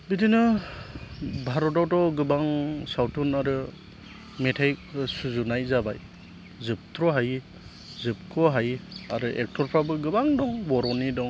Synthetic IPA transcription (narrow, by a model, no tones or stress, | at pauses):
bidinɯ | bʱaɾɔtɔwtɔɡɯbaŋsawtʰunaɾɯ | metʰajsuzunajzabaj | zɯp̚tʰɾɔɦaj | zɯp̚kʰɔɦajaɾɯʔek̚tʰɔɾpʰɾabɯɡɯbaŋdɔŋbɔɾɔnidɔŋ